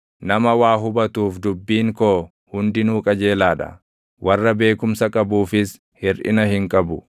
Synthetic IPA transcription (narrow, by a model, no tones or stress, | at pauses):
nɐmɐwaːɦʊbɐt̪uːfd̪ʊbːiːŋkoː | hʊnd̪ɪnuːkʼɐd͡ʒeːlaːᶑɐ̰ | wʔɐrːɐbe̞ːkʊmsɐkʼɐbuːfɪs | hɪɾʔɪ̰nɐhɪŋkʼɐbʊ